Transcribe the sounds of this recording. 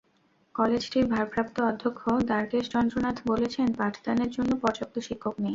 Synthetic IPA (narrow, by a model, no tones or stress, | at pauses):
kɔled͡ʑʈiɾbʱaɾpɾap̚t̪oɔd̪ʱːokʰːod̪aɾkeʃt͡ɕɔnd̪ɾonat̪ʰbolet͡ɕʰenpaʈʰd̪aneɾd͡ʑonːopɔɾd͡ʑok̚t̪oʃikʰːokne